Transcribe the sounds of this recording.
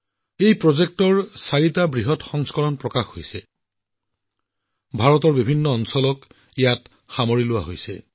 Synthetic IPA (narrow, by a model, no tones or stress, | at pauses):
ejpɹɔzek̚tɔɹsaɹitabɹiɦɔtxɔŋskɔɹɔnpɹɔkaxɦojsɛ | bʱaɹɔtɔɹbibʱinːɔːnsɔlɔk | ejat | xamoɹilʊwa̰ɦojsɛ̰